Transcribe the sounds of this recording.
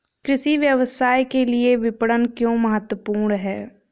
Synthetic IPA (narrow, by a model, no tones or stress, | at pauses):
kɾɪʃiʋjəʋəsaːjkelieʋɪpəɽənkjõːməɦət̪wəpuːɾɳnɦɛː